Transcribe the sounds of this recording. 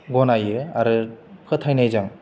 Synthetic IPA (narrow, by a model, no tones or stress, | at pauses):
ɡɔnajɯa̰ɾɯpʰɯt̪ʰajnajzaŋ